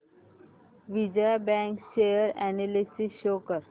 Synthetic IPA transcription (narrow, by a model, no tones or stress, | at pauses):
ʋid͡ʑajbɛ̃ŋkʃejəɾɛnelisiʃoːkəɾ